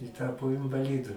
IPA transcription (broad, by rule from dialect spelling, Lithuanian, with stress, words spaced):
ɪ ˈtɑːpoː ɪnʋɐˈlʲɪdʊ